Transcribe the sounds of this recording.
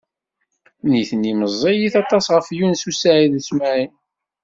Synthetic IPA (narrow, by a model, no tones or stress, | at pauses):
niθənːiməzˤːijiθɑt̪ˤɑsʁəfjunsusaʕiðəsmæʕi